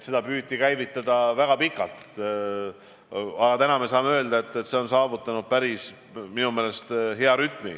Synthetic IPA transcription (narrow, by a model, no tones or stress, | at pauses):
et̪se̞d̪̥ɑpyːikæjvit̪ːˑɑd̪̥ɑvæɡ̥ɑpikːˑɑlt̪ˑː | ɑɡɑt̪ænɑme̞sɑːmeø̞ːld̪ɑet̪ːˑet̪seo̞nsɑːvut̪ˑːɑnud̪̥̚pæɾis | minumeːle̞st̪ɦe̞ɑɾyt̪ːˑmi